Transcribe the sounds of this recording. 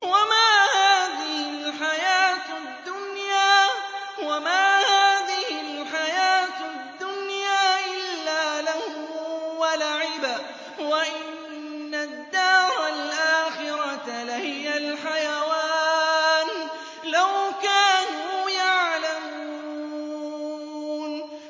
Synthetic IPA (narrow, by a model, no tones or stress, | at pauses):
wamaːhaːðɪhɪlħajaːt̪ | d̪ːʊnjaː | wamaːhaːðɪhɪlħajaːt̪d̪ːʊnjaːʔɪlːaːlahuːwalaʕɪba | waʔɪ | nːad̪ːɑːɾˤalʔaːxɪɾɑt̪lahɪjalħajawaːn | lawkaːnuːjaʕlam | uuu | n